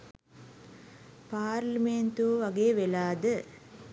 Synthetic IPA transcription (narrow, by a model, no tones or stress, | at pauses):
paːɾliment̪uʋaɡeːʋelaːd̪ə